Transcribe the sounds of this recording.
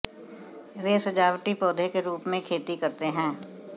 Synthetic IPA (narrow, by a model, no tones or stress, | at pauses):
ʋesɐd͡ʒaːʋʈipɔːd̪ʱekeɾuːpmẽkʰeːt̪ikɐɾt̪eɦɛ̃ː